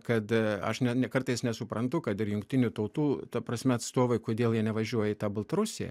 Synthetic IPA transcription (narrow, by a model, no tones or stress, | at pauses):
kɐt̪ɐ̰ʃnʲɛnʲɛkɐɾt̪ɐɪsnʲɛsʊpɾɐnt̪ʊkɐt̪ɪɾjʊŋkt̪ʲɪnʲʊt̪ɐʊt̪uːt̪ɐpɾɐsʲmʲɛɐt̪st̪oːʋoɪkoːd̪ʲeːlˠjiɛnʲɛʋɐʒʲuɔjɛit̪ɑːbɐlˠt̪ɐɾʊsʲejɛ̰